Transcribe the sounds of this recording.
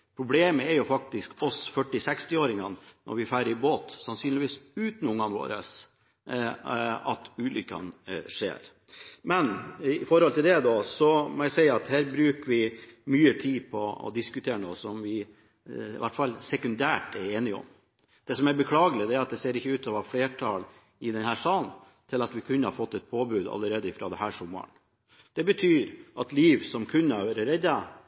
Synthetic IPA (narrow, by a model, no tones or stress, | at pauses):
pʰɾʊbleːməæɾjʊfɑk̚t̪ɪskɔsfœʈːɪsɛkst̪ɪoːɾɪŋɑnnʔɔ̰ɾʋɪfæɪɾəɾɪboːt̪sɑnsyːnlɪʋiːsʉːt̪nʊŋːɑnʋo̰ːɾə̰s | ɑ̰t̪ʉːlʔʏkːɑ̰nʂḛːɾ | mɛnɪfɔɾhɔlt̪ʰɪld̪ɛd̪ɔsɔmɔæsɛɪɑt̪hæːɾbɾʉːkəɾʋɪmyːət̪ʰiːpʰɔɔ̰d̪ɪskʉt̪ʰeːɾəno̰ːsɔmʋɪ | ɪ̰ʋæʈːfɑlsɛkʉnd̪æːʈɛɾeːnɪɔ̰m | d̪̥ɛsɔmæɾbəkʰlɑːɡəlɪd̪ɛæɾɑt̪̚d̪ɛseːɾɪçːəʉːt̪ʰɑːʋɑfleːʈʰɑːl | ɪd̪ɛnhæːʂɑːn | t̪ʰɪlɑt̪ʋɪkʰʉnːəhɑɾfɔt̪ːɛt̪̚pʰoːbʉːd̪ɑ̰lːəɾeːd̪əɪfɾɑ̰ːd̪ɛhæːʂɔmːə̰ɳ | d̪̥ɛbət̪ʰyːɾʔɑt̪liːʋsɔmkʰʉnːəæʋɾɾɛd̪ːɑ